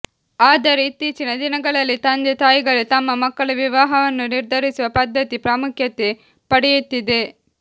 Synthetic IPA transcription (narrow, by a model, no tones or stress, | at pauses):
aːd̪ɐɾeit̪ːiːt͡ʃinɐd̪inɐɡɐɭɐlːit̪ɐnd̪et̪aːjiɡɐɭut̪ɐmːɐmɐkːɐɭuʋiʋaːɦɐʋɐnːuniɾd̪ʱɐɾisuʋɐpɐd̪ːɐt̪ipɾaːmukʰjɐt̪ːe | pɐɽɛjut̪ːid̪e̞